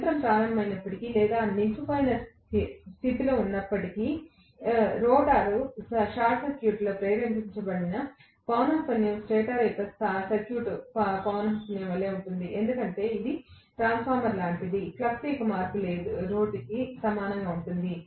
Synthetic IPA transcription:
t̪ɾɐmpɾaːɾɐmnːɐmɐjnɐpːɐʈikiːlɛːd̪aːnikupɐjnɐ | sit̪ilo̞ːunːɐpːɐʈikiː | ɾoːɖaːɾuʃaːɾʈsɐɾkjuːʈloːpɾeːɾɐmpiɲt͡ʃɐbɐɽinɐ | pɐwnɐpɐnːjɐmsʈeːʈaːɾɐk̪ɐssɐɾkjuːʈpɐwnɐɐpɐnjɐmʋɐlːe̞ːuɳʈund̪iʔe̞nd̪ukɐɳʈe̞ːid̪i | ʈɾaːnspʰaːɾmɐɾlaːɳʈid̪iplɐsʈiːkɐmaːɾkule̞ːd̪uɾo̞ːɖkisɐmaːnɐŋɡaːuɳʈund̪i

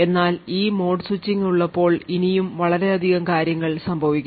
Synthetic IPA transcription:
e̞nːaːliːmo̞ːɖsut͡ɕːiŋuɭːɐpːo̞ːɭinijumʋɐɭɐɾe̞ɐd̪ʱiɣɐmkaːɾjɐŋːɐɭsɐmbʱɐʋikʲː

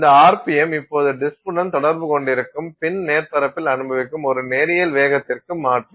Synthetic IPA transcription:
nd̪ɐaːɾpɪjɛmɪpːoːðɯɖɪspʊɳɐnt̪ɔɽɐɾbɯkɔɳɖɪɾɯkːɯmpɪnneːrpɐɾɐpːɪlɐnɯbɐʋɪkːɯmɔɾɯneːɾɪjɐlʋeːɣɐt̪ːɪrkɯmaːʈrɯ

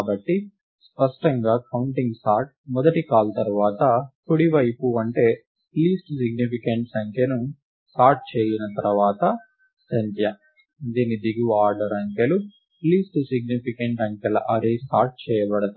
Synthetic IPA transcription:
bɐʈːi | spɐʂʈɐŋɡaːkʰɐwuɳʈiŋɡsaːɾʈ̚mɔd̪ɐʈikaːlt̪ɐɾuʋaːt̪ɐkuɽiʋɐjpuɐɳʈe̞ː | liːsʈsiɡnipikɐɳʈsɐŋkʰjɐnu | sʈaːɾʈ̚t͡ʃɛːjinɐt̪ɐɾɐʋaːt̪ɐ | sɐnt̪jɐ | d̪iːnid̪iɡiaːɾɖɐɾɐŋkɐlu | liːsʈsiɡ̚nipʰikɐɳʈɐŋkʲjɐlɐ̰ʔɐɾesʈaːɾʈ̚t͡ʃɛːjɐbɐɽɐd̪u

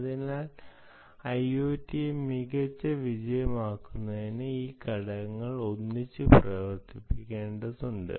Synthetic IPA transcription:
ɐðinaːl | ɐjoːtːimiɣɐt͡ɕːɨʋid͡ʑɐjɐmaːkːunːɐðinɨiːkɐɽɐŋːɐɭo̞nːit͡ɕːɨprɐʋɐrt̪ipːikʲːeːɳɖɐðuɳɖɨ̰

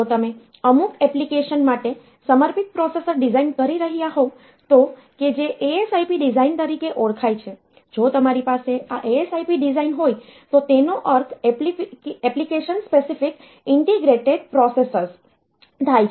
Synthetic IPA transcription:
ot̪əme | əmukɛplikeʃənmaʈe | səməɾpʰik̪̚pɾɔsesəɾɖizainkəɾiɾəɦijaɦõ | t̪o | ked͡ʒeʔeesajpiɖizaint̪əɾikeʔoɽkʰajt͡ʃʰe | d͡ʒot̪əmaɾipaseaʔeesaipiɖizainɦojt̪ot̪enoʔəɾk̪ʰpɛplikeʃənspesifik | ɪɳʈeɡɾeʈeɖ̚pɾɔsesəɾs | t̪ʰajt͡ʃʰ

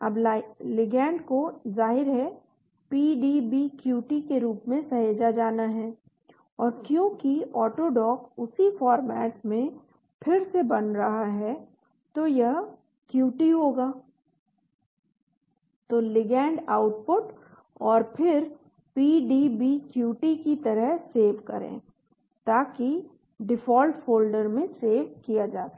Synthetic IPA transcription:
ɐblɪɡɛ̃ːɳɖkozaːɦɪɾɦɛ | piːɖibikjuːʈikeɾuːpmẽsɐɦeːd͡ʒad͡ʒaːnaɦɛː | ɔːɾkjõːkiɔːʈoɖɔːkʊsifɔːɾmɛːʈmẽ | pʰɪɾsebɐnɾɐɦaɦɛ | t̪ojɐɦ | kjuːʈiɦoːɡaː | t̪oːlɪɡɛ̃ːɳɖaːʊʈpʊʈ | ɔːɾpʰɪɾ | piːɖibʱikjuːʈikit̪ɐɾəɦseːʋkɐ̰ɾḛ̃ː | t̪aːki | ɖɪfɔːlʈfʰoːlɖəɾmẽseːʋkijad͡ʒaːt̪a

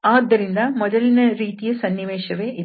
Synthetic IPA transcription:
aːd̪ːɐɾɪnd̪aːmɔðɐlɪnɐɾiːt̪ɪjɐsɐnːɪʋeːʃɐʋeːʔɪ

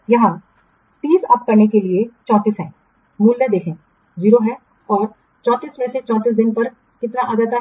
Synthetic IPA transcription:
jɐɦã | t̪iːsɐp̚kɐɾnekeliet͡ʃɔ̃ːt̪iːsɦɛ̃ː | muːlːəd̪eːkʰẽ | ziːɾoɦɛ | ɔːɾ | t͡ʃɔ̃ːt̪iːsmɛ̃ːset͡ʃɔ̃ːt̪iːs̬d̪ɪnpɐɾ | kɪt̪naʔad̪at̪a

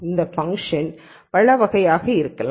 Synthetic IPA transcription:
ɪnd̪ɐfɐŋkʂɐn | pɐɻɐʋɐɣɐjaːɣɐɪɾɯkːɐlː

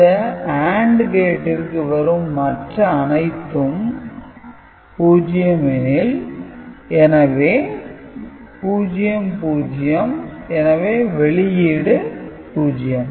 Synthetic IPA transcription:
ɐaːɳɖɡeːʈːɪrkɯʋɐɾɯmːɐʈrɐːnɐɪt̪ːɯm | puːd͡ʒɪjɐmɛnɪl | ɛnɐʋeː | puːd͡ʒɪjɐmpuːd͡ʒɪjɐmɛnɐʋeːʋɛɭɪjɪɽɯ | puːd͡ʒɪjɐm

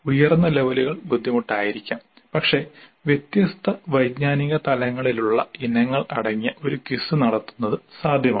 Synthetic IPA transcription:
ujɐrnːɐleʋɐluɣɐɭbud̪ʱːimuʈːaːjiɾikʲːaːm | pɐkʂe̞ʋjet̪jɐst̪ʰɐʋɐjɡɲaːniɣɐt̪ɐlɐŋːɐɭiluɭːɐ̰inːɐŋːɐɭɐɽɐŋːijɐʔo̞ɾukisɨnɐɽɐt̪ːu̥nːɐðɨsaːd̪ʱjɐma̰

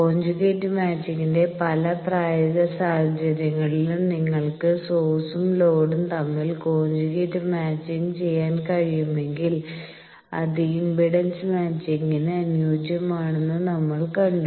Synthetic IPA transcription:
ko̞ːɲd͡ʑuɣeːtːɨmaːt͡ɕːiŋinde̞pɐlɐpraːjɐɣɐsaːhɐd͡ʑɐɾjɐŋːɐɭilumniŋːɐɭkɨsoːsumlo̞ːɽumt̪ɐmːilko̞ːɲd͡ʑuɣeːtːɨmaːt͡ɕːint͡ɕe̞jːaːnkɐɻijume̞ŋɡil | ɐ̰ðiimbʱiɽɐnsɨmaːt͡ɕːiŋɡineɐnjoːd͡ʑjɐmaːɳenːunɐmːɐɭkɐɳɖu

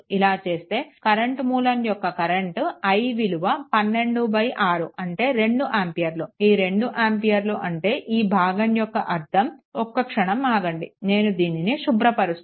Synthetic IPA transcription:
ilaːt͡ʃe̞ːst̪e̞ːkɐɾeɳʈmuːlɐnjɔkːɐkɐɾeɳʈɐjʋiluʋɐpɐnːe̞ɳɖubɐjʔaːɾuʔɐɳʈe̞ːɾe̞ɳɖuʔaːmpijɐɾluiːɾe̞ɳɖuʔaːmpijɐɾluʔɐɳʈe̞ːʔiːbʱaːɡɐnjɔkːɐʔɐɾd̪ʱɐmɔkːɐkʂɐɳɐmaːɡɐɳɖine̞ːnud̪iːniniʃubɾɐpɐɾust̪

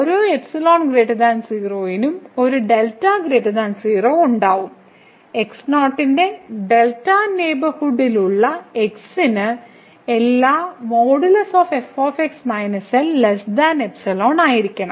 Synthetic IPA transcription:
oɾoːepsɐloːnɡreːʈɐðaːnsiːroːjinumo̞ɾuɖeltːaɡɾeːʈːɐðaːnsiːroːuɳɖaːʋum | eksnoːʈːinde̞ɖe̞ltːane̞ːbɐrhuɽiluɭːɐeksinɨ | elːaːmoːɽulɐsoːfefoːfeksmɐjnɐsɐllesd̪aːnepsɐloːnaːjiɾikʲːɐɳɐm

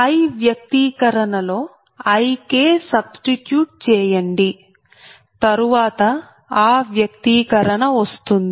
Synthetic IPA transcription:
ɐjʋjɐk̚t̪iːkɐɾɐɳɐlo̞ː | ɐjkeːsɐbsʈiʈjuːʈ̚t͡ʃɛːjɐɳɖi | t̪ɐɾuʋaːt̪ɐ | aːʋjɐkt̪iːkɐɾɐɳɐʋɐst̪und̪i

